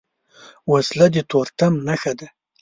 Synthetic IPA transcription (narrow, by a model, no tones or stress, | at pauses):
waslad̪it̪oɾt̪amnaxad̪a